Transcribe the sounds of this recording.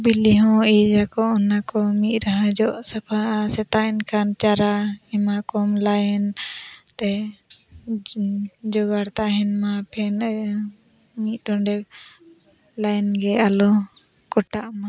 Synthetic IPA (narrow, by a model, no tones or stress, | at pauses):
biliɦɔ̃id͡ʒakɔʔɔnakɔmit̪̚ˀɾaɦãd͡ʒɔʔsapʰaasɛt̪aɛnkʰant͡ʃaɾaɛmakɔmlajnt̪ɛ | d͡ʒɔɡaɽt̪aɦɛnmapʰɛn | mit̪̚ˀdɔnɖɛ | lajnɡɛalɔ | kɔʈaʔma